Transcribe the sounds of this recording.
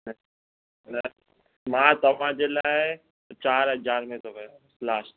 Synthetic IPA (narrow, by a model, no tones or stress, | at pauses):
nɐ | mãːt̪ɐʋ̤ãd͡ʑeːlaːɪ | t͡ɕaːɾɦɐd͡ʑaːɾmẽt̪ʰokɐjoslaːʃ